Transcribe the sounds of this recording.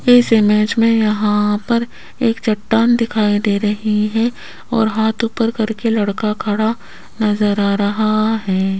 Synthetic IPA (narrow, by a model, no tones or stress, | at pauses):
ɪsɪmeːd͡ʒmẽjɐɦãpɐɾ | eːkt͡ʃɐʈːaːnd̪ɪkʰaːid̪eːɾɐɦiɦɛ̃ | ɔ̰ːɾɦaːt̪upəɾkɐɾkelɐɽkakʰɐɽa | nɐzəɾaːɾɐɦaɦɛː